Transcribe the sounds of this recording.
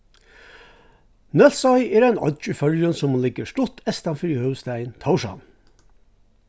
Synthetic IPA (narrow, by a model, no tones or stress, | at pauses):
nœlsɑɪeːɾænɔ̰d̪d͡ʒyfœljənsɔmlɪɡəʃʈɔt̪ʰɛst̪ɑnfɾiːhœʋst̪æɪnt̪ʰɑwʃɑ̰n